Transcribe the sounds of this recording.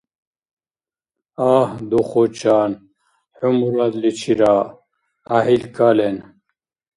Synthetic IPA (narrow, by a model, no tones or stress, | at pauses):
aːhd̪oχot͡ɕaːn | ħumuɾad̪lit͡ɕʰiɾaː | ɦilkalen